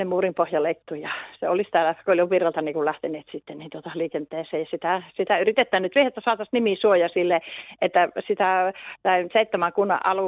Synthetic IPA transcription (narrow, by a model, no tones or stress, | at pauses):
nemuːrimpohjɑleit̪ːujɑseolisi̥t̪ælækooljoʋirɑlt̪ɑniːkullæht̪eneːt̪sit̪ːeniːnt̪uot̪ɑliːkent̪ːeːseːjɑsit̪æsit̪æyrit̪et̪ːæːnnyt̪ʋiehet̪ːæsoɑːˑt̪ɑsnimisuojɑsilːeʔet̪ːæsit̪æˑsɑˑiseit̪ːæmæŋkunːɑ̰ʔʔɑluˑ